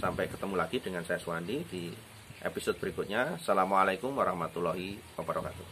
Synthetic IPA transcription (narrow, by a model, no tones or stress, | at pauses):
sampɛkət̪əmulaɡ̥id̥əŋansajasuwandid̥i | ʔḛpisɔd̪̚bəɾikut̪̚ɲasalamalakʊmwaɾahmat̪ulɔɦiwabəɾɔka̰t̪uh